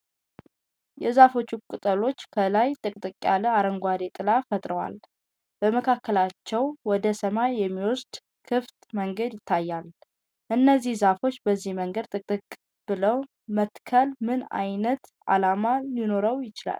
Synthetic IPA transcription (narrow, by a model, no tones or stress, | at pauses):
jɛzafo̞t͡ʃːukʼɨt̪ʼəlo̞t͡ʃːkʰəlajt̪ʼɨkʼt̪ʼɨkʼːalɨaɾəŋɡʷad̪et̪ʼɨlafət̪ʼɾəwa̰l | bəməkʰakːəlat͡ʃːɛwwɔd̪əsəmajːɛmːiwɔsd̪̥ | kʰɨft̪məŋɡəd̪jɪt̪ʰːajːal | ʔɨnːəzːihzafo̞t͡ʃːbəzːihməŋɡəd̪̚t̪ʼɨkʼt̪ʼɨkʼː | b̥ɨləw | mət̪kʰəlmɨna̰jnət̪ʔa̰lamalino̞ɾəwjɪt͡ʃɪla̰l